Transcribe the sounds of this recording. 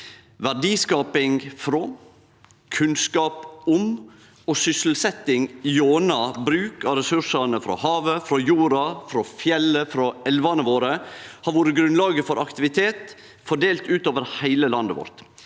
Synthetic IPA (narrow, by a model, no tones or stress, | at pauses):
ʋæɖiːskɑːpɪŋfɾɔ | kʰʉnskɑːpʊm | ɔsʏsl̩sɛt̪ːɪŋjoːnɑbɾʉːkɑɾɛsʉʂɑnəfɾɔ̰hɑːʋəfɾɔjuːɾɑfɾɔfjɛlːəfɾɔɛlʋɑnəʋoːɾəhɑɾʋoːɾəɡɾʉnlɑːɡəfɔɾɑkt̪ɪʋɪt̪ʰeːt̪ | fɔɖeːlt̪ʉːt̪oːʋəɾhæɪləlɑnd̪əʋɔ̰ɾt̪